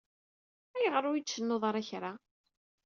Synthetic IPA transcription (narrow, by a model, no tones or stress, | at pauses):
æjəʁəɾʊjit͡sːənːoðˤɑɾˤæçɾa